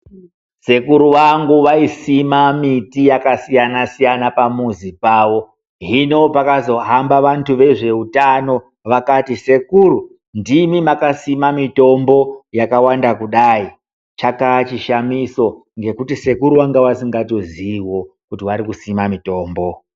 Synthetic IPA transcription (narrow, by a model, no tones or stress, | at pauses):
se̞kuɾuʋaŋɡuʋaisimamitijakasijanasijanapamuzipaːwo̞ | ɦino̞pakazo̞ɦambaʋantuʋe̞ʐe̞utano̞ | ʋakatise̞kuɾu | ndimimakasimamito̞mbo̞jakawandakuɗai | t͡ʃakat͡ʃiʃamiso̞ | ŋɡe̞kutise̞kuɾuwaŋɡewasiŋɡato̞ziːwo̞ | kutiʋaɾikusimamito̞ːmbo